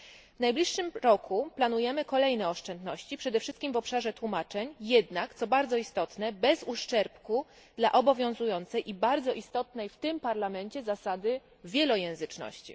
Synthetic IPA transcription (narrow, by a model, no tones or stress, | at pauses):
vnajblʲiʂːɘmɾɔkʰuplanujɛmɘkɔlɛjnɛɔʂt͡ʂɛnd̪nɔɕt͡ɕipʂɛd̪ɛfʂɘst̪̚kʲimvɔpʂaʐɛt̪wumat͡ʂɛɲjɛd̪nakt̪sɔbaɾd̪zɔist̪ɔt̪nɛbɛzuʂt͡ʂɛɾpku | d̪la̰ʔɔbɔvʲjɔ̃w̃zujɔnt̪sɛjʔibaɾd̪zɔʔist̪ɔt̪nɛjft̪ɘmpaɾlamɛɲt͡ɕɛzasad̪ɘ | vʲjɛlɔjɛ̃w̃zɘt͡ʂnɔ̰ɕt͡ɕḭ